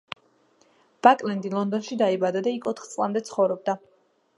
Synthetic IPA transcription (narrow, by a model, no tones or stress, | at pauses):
b̥akʼlɛnd̪ilˠɔnd̪ɔnʃid̪aibad̪ad̪aikʰɔt̪ʰχt̪sʼlˠamd̪ɛt̪sʰχɔvɾɔb̚d̪a